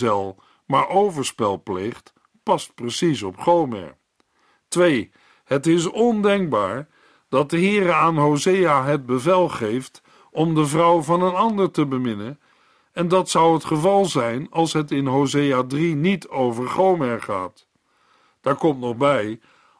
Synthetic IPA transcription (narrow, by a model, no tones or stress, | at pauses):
ɛlˠ | maːɹʔowvəɹspɛlˠpleχt | pɑst̚prəsisɔpχowmɛ̰ɹ | tʋej | hətɪs̬ɔndɛŋk̚baːɹ | d̥ɑt̚dəɦɪːrəaːnɦowzejaɦəd̚bəvɛlˠχejft | ɔmdəvrʌwvɑnənɑndəɹtəbəmɪnən | ɛndɑtsʌwɦətχəvɑlˠzɛjnɑlˠsɦətɪnɦowzejaːdrinitʰowvəɹχowmɛɹχa̰ːt | d̥aːɹkɔmtnɔχbɛj